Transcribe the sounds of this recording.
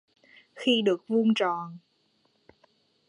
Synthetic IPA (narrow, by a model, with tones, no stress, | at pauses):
xi˧ɗɨ˨˩ək̚vu˧nt͡ɕɔ˨˩˨n